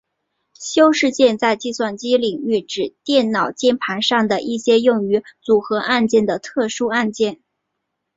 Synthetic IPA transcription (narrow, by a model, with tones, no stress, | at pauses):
ɕjo˥ʊʂɻ̩˥˧t͡ɕjɛ˥˧nt͡sa˥˧ɪt͡ɕi˥˧swa˥˩nt͡ɕi˥li˨˩ŋy˥˩ʈ͡ʂɻ̩˨˩t̪jɛ˥˩nnɑ˨˩ʊt͡ɕjɛ˥˩npʰa˧˥nʂɑ˥˩ŋd̪ə˩ʔi˥˩ɕjɛ˥jʊ˥˩ŋy˧˥t͡su˨˩xɤ˧˥ʔa˥˧nt͡ɕjɛ˥˩nd̪ə˩t̪ʰɤ˥˩ʂu˥a˥˧nt͡ɕjɛ˥˩n